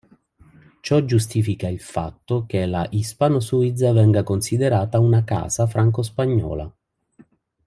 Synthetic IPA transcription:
t͡ʃɔd͡ʒːust̪iːfikailfa̰t̪ːokelaʔispanosuid̪zːavɛŋɡakonsid̪eɾaːt̪aunaka̰ːsafɾaŋk̬ospaɲːɔ̰ːla̰

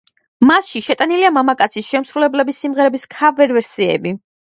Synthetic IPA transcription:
masʃiʃɛt̪ʼaniliamamakʼat̪sʰisʃɛmsɾulɛblɛbisːimʁɛɾɛbiskʰavɛɾvɛɾsiɛ̰bi

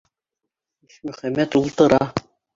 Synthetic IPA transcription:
iʃmɵ̆χæmːæt̪ulˠt̪ɤ̆ɾɑ

